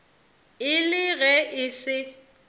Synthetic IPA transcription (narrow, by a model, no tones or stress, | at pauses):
ɪlɪɣɛʔɪsɪ